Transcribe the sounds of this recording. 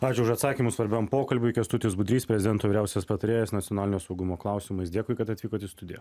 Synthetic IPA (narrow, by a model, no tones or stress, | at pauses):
ɑːt͡ʃʲʊʊʃɐt̪sɑːkʲiːmʊsʋɐɾʲbʲɛmpoːkɐlʲbʲʊɪkʲɐst̪ʊt̪ʲɪusbʊd̪ɾʲiːspʲɾʲɛzʲɪd̪ʲɛnt̪oʋʲɪːɾʲæˑʊsʲɛspɐt̪ɐɾʲeːjɛsnɐt̪ʲjoːnɑːlʲɪnʲjoːsɐʊɡʊmoːklˠɑˑʊsʲɪmɐɪsd̪ʲeɛkʊːɪkɐt̪ɐt̪ʲʋʲiːkoːt̪ʲɪst̪ʊd̪ʲɪjɛ̰